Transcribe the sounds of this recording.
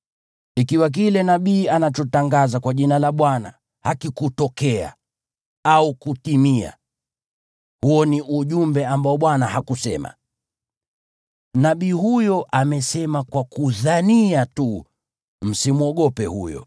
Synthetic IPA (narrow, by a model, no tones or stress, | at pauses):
ikiwak̬ilɛnaɓiːanat͡ʃɔtaŋɡazakwaʄinalaɓwana̰ | hakikutɔkɛa̰ | aukutimia̰ | huɔniʔuʄumbɛambaɔɓwanahakusɛma̰ | naɓiːhujɔʔamɛsɛmakwakuðaniatu | m̩simuɔɠɔpɛhṵjɔ̰